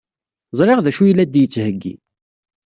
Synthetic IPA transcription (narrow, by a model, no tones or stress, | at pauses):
zˤɾˤeʁðæʃujlːæd̪jət͡sːhəɡːḭ